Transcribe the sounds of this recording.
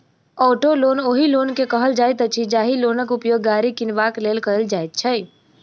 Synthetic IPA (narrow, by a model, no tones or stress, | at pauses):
ɔːʈoloːnoːɦiloːnkekəɦəld͡ʒaːjt̪ət͡ʃʰid͡ʒaːɦiloːnəkupjoːɡːaːɾikɪnʋakleːlkəɾəld͡ʒaːjt̪̚t͡ʃʰəj